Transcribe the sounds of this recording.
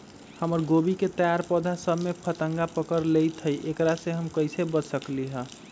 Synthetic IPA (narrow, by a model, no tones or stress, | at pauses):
həməɾɡobiket̪əjaɾpɔd̪ʱasəbmepʰət̪əŋɡapəkəɾlejt̪ʰəiʔekɾasẽɦəmkəjsebəd͡ʒsəkliɦə